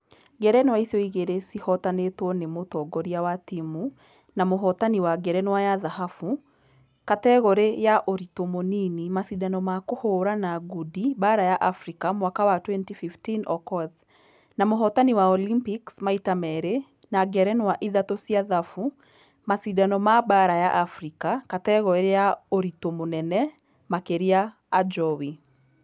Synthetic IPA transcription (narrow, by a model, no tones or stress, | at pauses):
ɡɛɾɛnwaisjɔiɣeɾesihɔtanetwɔnemotɔɡɔɾiawatimu | namoɦɔtaniwaɡɛɾɛnwajaðahafu | katɛɣɔɾejaʔoɾitomoninimasidanɔmakohoːɾanaɡudibaɾajaʔafɾikamwakawatwɛntififtinɔkɔð | namoɦɔtaniwaɔlimpiksmaitamɛɾe | naɡɛɾɛnwaʔiðatosjaðafu | masidanɔmabaɾajaʔafɾikakatɛɣɔɾejaoɾitomonɛnɛ | makeɾiaː | d͡ʒɔwi